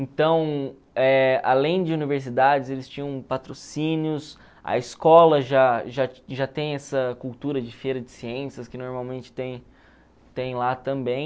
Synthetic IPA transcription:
ẽt̪ɐ̃w̃ | ɛa̰lẽj̃d͡ʒɪuniveɾsid̪ad͡ʒɪzelɪst͡ʃĩɲɐ̃w̃pat̪ɾosĩniʊs | ɐ̰ɪskɔlɐʒaʒaʒat̪ẽj̃ɛsɐkuwt̪uɾɐd͡ʒɪfeɾɐd͡ʒɪsiẽsjɐskɪnoɾmawmẽnt͡ʃɪ̥t̪ẽj̃ | t̪ẽj̃lat̪ɐ̃mbẽj̃

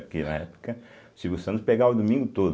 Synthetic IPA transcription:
kinɐ̰ɛpʊ̥kɐ | siɡusɐ̃nʊspeɡaʊd̪umĩŋɡʊt̪od̪

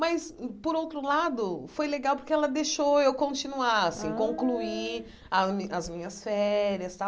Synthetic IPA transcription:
maspoɾowt̪ɾʊlad̪ʊfojleɡawpoɾkeɛlɐd̪eʃowewkõnt͡ʃĩnuaɾasĩkõŋklui | ɐmĩɐzmĩɲɐsfɛɾiɐst̪aw

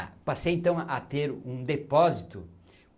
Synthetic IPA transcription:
pasejẽnt̪ɐ̃w̃at̪eɾũd̪epɔzit̪ʊ

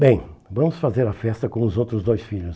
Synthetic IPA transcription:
bẽj̃vɐ̃mʊsfazeɾɐfɛst̪ɐkõʊzowt̪ɾʊzd̪ojsfiʎʊs

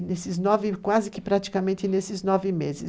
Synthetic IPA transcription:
nesɪznɔvɪkwazɪkɪpɾat̪i̥kamẽnt̪ɪnesɪznɔvɪmezɪ

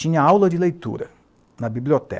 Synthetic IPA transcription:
ĩɲɐawlɐd͡ʒɪlejt̪ṵɾɐ̰ | nɐbibliot̪ɛ̰

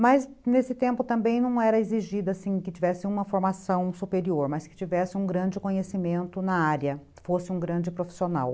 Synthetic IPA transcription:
mɐz | nesɪt̪ẽmpʊt̪ɐ̃mbẽj̃nɐ̃w̃ɛɾɐeziʒid̪ʊasĩkɪt͡ʃivɛsɪũmɐfoɾmasɐ̃w̃supeɾioɾmɐskɪ̥t͡ʃivɛsɪũɡɾɐ̃d͡ʒɪkõɲesimẽnt̪ʊnɐaɾɐ | fosɪũŋɡɾɐ̃d͡ʒɪpɾofi̥siona̰w

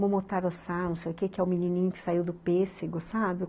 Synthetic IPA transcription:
mʊmot̪aɾosanũsejʊkekɪɛʊminĩnĩɲʊkɪ̥saiwd̪ʊpesɪɡʊsabɪ

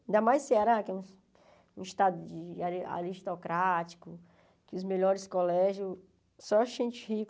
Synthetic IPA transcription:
ĩnd̪amajsseaɾakɛũ | ũiʃt̪ad̪ʊd͡ʒɪaa̰ɾiʃt̪ɔkɾat͡ʃi̥kʊ | kɪʊzmeʎɔɾɪskolɛʒjʊ | sɔʒẽt͡ʃɪhik

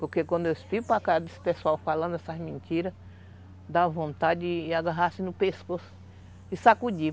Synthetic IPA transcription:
poɾkekwɐ̃nd̪ʊewɪsfiɡʊpakaɾd̪esɪ̥pesuawfalɐ̃nd̪ʊɛsɐzmẽnt̪iɾɐs | d̪avõnt̪ad͡ʒɪaɡaɦasɪnʊpeskosʊ̥ | ɪsakud͡ʒi

